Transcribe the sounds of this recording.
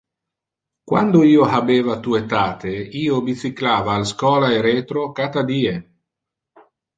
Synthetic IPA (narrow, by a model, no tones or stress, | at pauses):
kwa̰nd̪oiːoɦabeːvat̪uet̪aːt̪eiːobit͡s̪iklaːvaːlskɔːlaeɾet̪ɾokat̪ad̪iːe